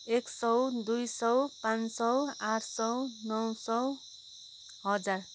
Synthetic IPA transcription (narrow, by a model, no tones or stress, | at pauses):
eksʌwd̪ujsʌwpãnsʌwaɾʰsʌwnʌwsʌ | ɦʌd͡zar